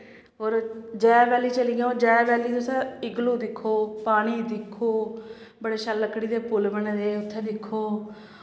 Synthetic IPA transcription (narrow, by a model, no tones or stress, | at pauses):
ɦoːɾd͡ʒɛːbɛːliːt͡ʃəliːɡãːoːd͡ʒɛːbɛːliːt̪ʊsãːɪɡluːd̪ɪkʰːoːpaːɽ̃iːd̪ɪkʰoː | bəɽeːʃəlːəkːɽiːd̪eːpʊlbəɳːd̪eːʊt̪ʰːeːd̪ɪkʰːoː